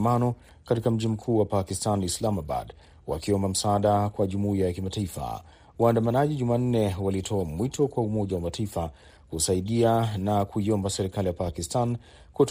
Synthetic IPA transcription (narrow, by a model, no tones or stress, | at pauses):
manɔ | katikam̩ʄim̩kʰuːwapakistanislamaba̰d | wa̰kiɔmbam̩saɗakwaʄumuiajakimataifa̰ | waːndamanaʄiʄuman̩nɛwalitʰɔamwitʰɔkwaumɔʄawamataifa | kusaiɗianakuiɔmbasɛɾikalijapakistan | kut